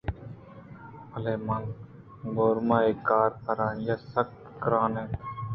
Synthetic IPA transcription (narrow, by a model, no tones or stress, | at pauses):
əleːmal | ɡoːɾmãːeːkaːɾpəɾaːnjaːsəkt̪kɾaːneː